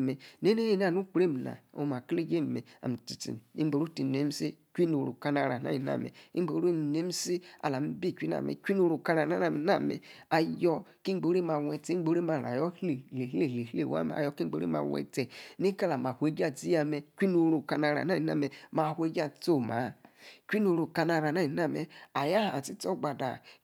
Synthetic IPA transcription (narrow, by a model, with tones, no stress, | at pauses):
me˨ne˦ne˦je˦n˦a˨nu˦k͡pɾe˦m˨na̰˨o̰˨ma˨kle˦d͡ʒe˦m˨me˨a̰˨m˨ti˨tḭ˨m˨ḭ˦ɡ͡bo˨ɾu˦ti˨ne˦m˦si˦kʷi˦no˨ɾo̰˨ka˦na˨ɾa˨na̰˦ji˨na̰˦˨mḛ˨i˦bo˨˦ɾu˦m˨ne˦m˦si˦a̰˨la˨m̩˦bi˦˨kʷi˦na̰˨mḛ˨kʷi˦n˦o˨ɾo˨ka˦na˨na˦ɾa˨m˨na̰˨mḛ˨a˨jɔ˦ki˦ŋ͡mɡ͡bo˨˦ɾe˦ma˨we˨te˨˦ɡ͡bo˨˦ɾe˦ma˨ɾa̰˨jɔ˦e˨le˨hle˦˨le˨he˦˨wa̰˦mḛ˨a̰˨jɔ˦ki˦ɡ͡bo˨˦ɾḛ˦ma̰˨wɛ̰˨te˨ni˦ka˦la˨m˨a˨hʷe˨˦d͡ʒa˦˨d͡zi˦ja˨me˨kʷi˦no˨˦ɾo˨ka˧na˨ɾa̰˨na˦i˨na̰˦˨me˨ma˨hʷe˦d͡ʒa˦˨t͡so˦˨ma˨˦˨kʷi˦no˨ɾo˨ka˨˧na˨ɾa˨na˦ji˨n˦a˦mḛ˨a˨ja˦˨a˨ti˦to˦ɡ͡ba˨da̰˨